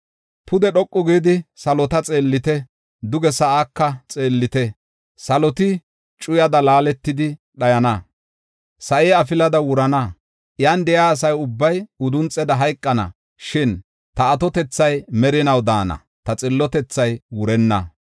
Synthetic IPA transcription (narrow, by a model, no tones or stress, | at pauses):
pʊd̪ɛɗɔkʼːɔɡiːd̪ɪsɐlɔt̪ɐt͡sʼe̞ːlːɪt̪ɛ | d̪ʊɡɛsɐʔakːɐt͡sʼeːlːɪt̪ɛ | sɐlɔt̪ɪ | t͡ʃʼʊjɐd̪ɐlaːlɛt̪ːɪd̪ɪ | ɗɐjɐnɐ | sɐʔɛɐfɪlɐd̪ɐwʊɾɐnɐ | ʔjand̪ɛjaːsɐjʊbːɐjʊd̪ʊnt͡sʼːɛd̪ɐɦɐjkʼːɐnɐ̰ | ʃɪn | t̪ɐːt̪ɔt̪ɛt͡sːɐjmɛɾɪnɐwd̪aːnɐ̰ | t̪ɐt͡sʼɪlːɔt̪ɛt͡sːɐjwʊɾɛnːɐ